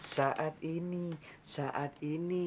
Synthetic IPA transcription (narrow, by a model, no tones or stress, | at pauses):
saʔat̪inisaʔat̪ini